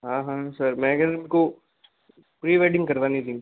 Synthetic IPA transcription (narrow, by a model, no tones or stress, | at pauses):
ɦãːɦãːsɐɾmɛ̃ːɡɐɾmko | pɾiːʋaɪɖɪ̃ŋɡkɐɾʋanĩd̪ĩŋ